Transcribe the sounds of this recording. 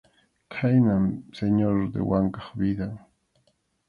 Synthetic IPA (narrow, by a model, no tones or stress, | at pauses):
kʰajnamseɲoɾd̪ḛwaŋkɑχbid̪aŋ